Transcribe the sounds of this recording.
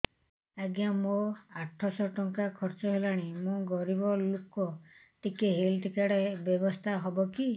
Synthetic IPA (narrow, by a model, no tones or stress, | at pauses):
aɡamoaʈʰːɔsɔʈɔŋkakʰɔɾt͡ʃɔɦelaɽ̃imũɡɔɾibɔlukɔ | ʈ̪ikeɦelʈikaɽebjɔbɔst̪ʰaɦɔbɔki